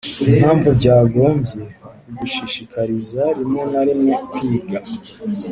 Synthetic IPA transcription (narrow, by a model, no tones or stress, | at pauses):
im̥haːɱvubɟaːɡo̞ːmbje̞ | uɡiʃiʃikaɾizaɾimŋe̞naɾimŋokwiːɡa